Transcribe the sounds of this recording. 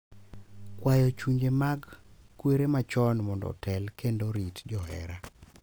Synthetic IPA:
kwajɔt͡ʃuɲd͡ʒemaɡkweɾemat͡ʃɔnmɔndɔ̰tɛlkʰendoɾitd͡ʒɔhɛ̰ɾa

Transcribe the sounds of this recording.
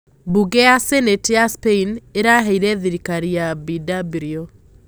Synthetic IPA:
buɡɛjasɛnetjaspeineɾaɦɛiɾɛðiɾikaɾijabidabiɾio

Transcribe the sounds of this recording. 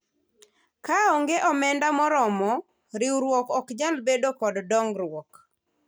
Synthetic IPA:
kaɔŋɡeʔɔmɛndamɔɾɔmɔ | ɾiuɾwɔkɔkd͡ʒalbedokɔddɔŋɡɾwɔk

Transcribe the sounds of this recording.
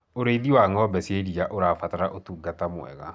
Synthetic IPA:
oɾeiðiwaːŋɔbɛseɾiaʔoɾaːfataɾaʔotuːɡatamwɛ̰ɣa̰

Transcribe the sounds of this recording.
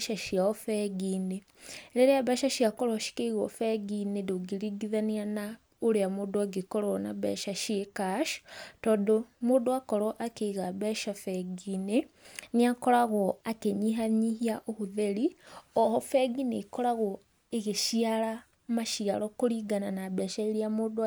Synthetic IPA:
ʃaʃiaofeɡine | leɾejaβeːʃaʃiakoɾoʃi̥keiɣo̰feɡinedoɡiɾiɡiðaniana | uɾeamudoaɡekoɾɔna̰βɛ̰ʃaʃiekaʃtodomodoakoɾɔʔakeiɣaβɛʃafɛɡineniakɔɾaɣɔakeɲiɦaɲihiaʔohuðeɾiɔɦɔfɛɡinekɔɾaɣɔ | eɣeʃiala | maʃiaɾɔkoɾiɡananaβɛːʃaeɾiamoːd

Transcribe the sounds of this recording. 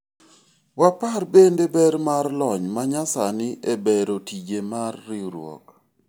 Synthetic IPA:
waparbendebɛɾmarlɔɲmaɲasanɪʔebeɾotid͡ʒemarːɪɾwɔ̰k

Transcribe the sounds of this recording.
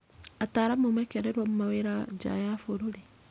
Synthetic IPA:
ataːɾamomwekeɾeɾwomumaweɾad͡ʒa̰jafoɾuɾi

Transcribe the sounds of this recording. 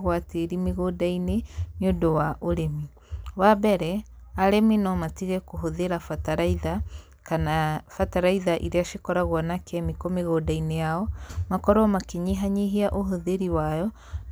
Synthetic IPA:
ɣwateɾimeɣodaineniondowaʔoɾemi | wabɛɾɛaɾeminɔmatiɣɛkoɦoðeɾafataɾaiða | kanafataɾaiðaʔiɾeaʃekɔɾaɣwɔnakʰɛmikomeɣoːdainejaɔmakɔɾɔmakeɲiɦaɲiɦiaʔoɦoðeɾiwajɔ

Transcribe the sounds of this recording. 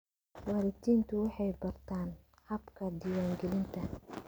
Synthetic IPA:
wɑɾɪt̪ʰiːnt̪ʰʊwɑħɑjbɐrt̪ʰaːn | hɐbkʰɐd̪ɪwaːŋɡɛlɪnt̪ʰɐ

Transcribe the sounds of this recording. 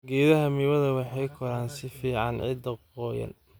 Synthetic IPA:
ɡɛːðɐɦɐmiːβɐðɐwɑħɑjkʰɔɾaːnsɪfiːʕɑ̰nʕɪ̰d̪ɐqɔːjɐ̰n

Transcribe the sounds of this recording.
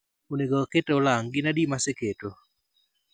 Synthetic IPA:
oneɡɔketolaŋɡɪnadimaseketo

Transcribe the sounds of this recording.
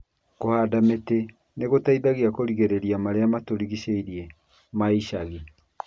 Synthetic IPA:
kohaːdamete | neɣotaiðaɣiakoɾiɣeɾeɾiamaɾeamatoɾiɣiɕeiɾje | maiɕaɣi

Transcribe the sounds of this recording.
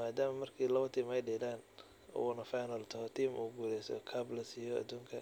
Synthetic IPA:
aːd̪aːmɐmɐrkʰiːlɐβɐt̪ʰiːmɛjɖɛːlaːn | ɔ̰wɔnɐfajnɐlt̪ʰɐhɔt̪ʰiːmuːɡuːlɛjsɔ̰kʰablɐsijɔɐ̰d̪uːŋkʰɐ̰

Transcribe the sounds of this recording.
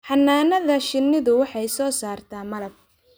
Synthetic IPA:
ħɑnːaːnɐðɐʃɪnːɪðʊwɑħɑjsɔːsaːrt̪ʰaːmɐlɐb̚

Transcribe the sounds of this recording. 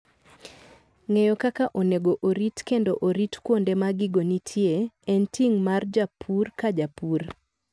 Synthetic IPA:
ŋejɔkakaʔoneɡoʔoɾitkendoʔoɾitkwondemaɡɪɡonitʰjeɛntiŋmard͡ʒapʰurkad͡ʒapur

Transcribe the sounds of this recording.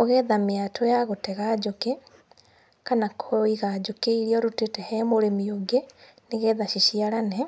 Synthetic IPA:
oɣɛðameatʰojaɣotɛɣad͡ʒoke | kanakʰoiɣad͡ʒokeiɾiɔɾutetɛhɛmoɾemioɡe | neɣɛːðaʃiʃiaɾanɛ

